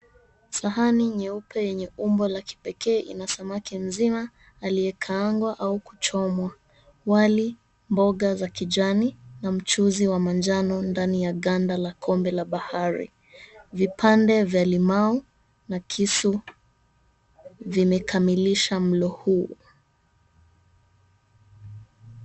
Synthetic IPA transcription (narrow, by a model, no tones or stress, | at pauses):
saɦaniɲɛupʰɛjɛɲɛumbɔlaki̥pɛkɛːʔḭnasamakim̩zimaː | lijɛkʰaaŋɡwaʔauku̥t͡ʃɔmwa | wali | mbɔɠazakid͡ʒaninam̩t͡ʃuziwamand͡ʒanɔndanijaɠandalakʰɔmbɛlaɓahaɾḭ | vipʰandɛvjalimau | nakʰisu | vimɛkʰamiliʃam̩lɔhuː